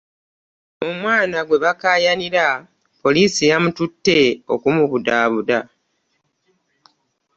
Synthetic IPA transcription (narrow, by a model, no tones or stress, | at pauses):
o̞mwaːnaɡwe̞βakaːjaniɾa | po̞liːsijamututːe̞o̞kumuβudaːβuda